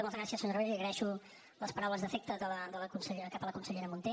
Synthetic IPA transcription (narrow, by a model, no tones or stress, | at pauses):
əməzɣɾasiəasəɲorβeɾiəɣɾəðɛʃu | ləspəɾawləzðəfek̚t̪əðələd̪ələkunsəʎeɾəkapələkunsəʎeɾəmunt̪e